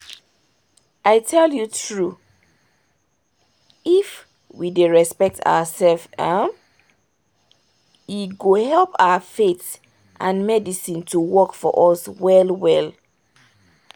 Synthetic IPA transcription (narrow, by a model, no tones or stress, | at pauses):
aɪtʰɛljutʰɹu | if | wideɹɛspɛk̚tʰa̰wəsɛlfam | iɡohɛlpawəfet | ʔãnmɛdisĩntʰuwɔkfɔ̰ʔɔswɛlwɛl